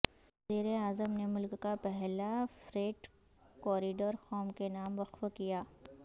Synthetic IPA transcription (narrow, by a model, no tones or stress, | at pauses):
ɐziːɾeaːzəmnemʊlkːapɛɦlafɾeːʈ | kɔːɾɪɖəɾxɔːmkenaːmʋɐqfkijaː